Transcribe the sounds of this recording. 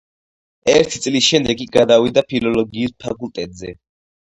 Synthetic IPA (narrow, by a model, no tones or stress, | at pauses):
ɛɾt̪ʰit̪sʼlisʃɛmd̪ɛkiɡad̪awid̪apʰilɔlɔɡiːspʰa̰kʼult̪ʼɛt̪ʼzɛ